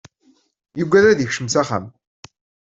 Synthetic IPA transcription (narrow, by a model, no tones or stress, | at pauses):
juɡʷːæðɾæðjəçʃəmsæχæ̰m